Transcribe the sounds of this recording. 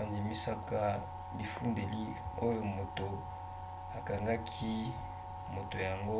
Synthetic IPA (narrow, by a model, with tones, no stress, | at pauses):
a˨ndi˨mi˦sa˦ka˦ | bi˨fu˦nde˨li˦o˦jo˦˨mo˨to˨ | a˨ka˨ŋɡa˦kʰi˦ | mo˨to˨ja˨ŋɡo˦